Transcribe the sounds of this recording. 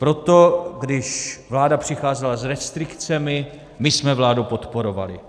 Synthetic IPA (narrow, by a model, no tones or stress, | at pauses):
pɾo̞t̪o̞ɡdɪʃvlaːdapr̥ɪxaːzɛlazɾɛst̪ɾɪkt͡sɛmɪ | mɪsmɛvlaːdupo̞t̪po̞ɾo̞va̰lɪ̰